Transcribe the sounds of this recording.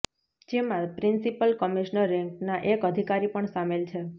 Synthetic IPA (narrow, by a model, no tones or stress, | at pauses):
d͡ʒemãpɾɪnsipəlkəmiʃnəɾːɛŋknaʔekəd̪ʱikaɾipəɳsamelt͡ʃʰe